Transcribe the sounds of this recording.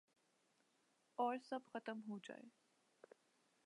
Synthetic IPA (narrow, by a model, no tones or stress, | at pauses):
ɔːɾsɐbxɐt̪əmɦod͡ʒa̰ːḛ